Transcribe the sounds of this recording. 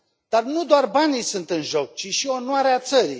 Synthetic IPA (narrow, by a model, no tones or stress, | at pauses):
d̪̥arnud̪oarbanisɨnt̪ɨnʒo̞k̚t͡ʃiʃio̞nwaɾeat̪səɾḭ